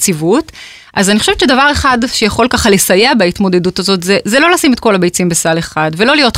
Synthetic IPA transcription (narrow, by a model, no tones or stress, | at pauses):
t͡sivut | ʔazaniχoʃevtt͡ʃedavaʁe̞χadʃejaχo̞lkaχalesajeabaitmo̞de̞dutazo̞tzezelo̞lasimet̚ko̞labejt͡simbesale̞χadvelo̞lijo̞t